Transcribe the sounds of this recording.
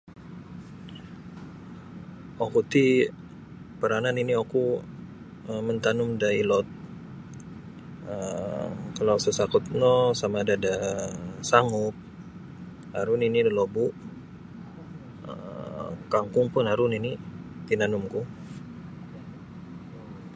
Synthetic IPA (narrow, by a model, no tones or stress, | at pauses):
okut̪i | pəɾananinioku | əmənt̪anʊmdailɔt̪̚ | ə | kalawsəsakʊt̪̚nɔsamadada | saŋʊp̚ | aɾʊninilobuʔ | ə̰ | kaŋkʊŋpʊnaɾʊninit̪inanʊmku